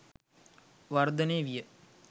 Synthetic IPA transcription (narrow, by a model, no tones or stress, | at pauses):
ʋard̪əneːʋijə